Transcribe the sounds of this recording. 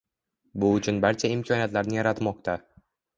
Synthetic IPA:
bʊʊt͡ʃʰʊnbaɾt͡ʃʰaɪmkʲʰɒnijat̪laɾnɪjaɾat̪mɒqt̪ʰa

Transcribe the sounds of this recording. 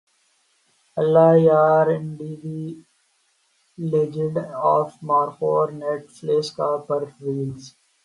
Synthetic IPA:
əlːaːjaːɾɪ̃ɳɖid̪i | led͡ʒɪɖɔːfmaːɾfoːɾneʈfleːskaːpəɾʋiːlz

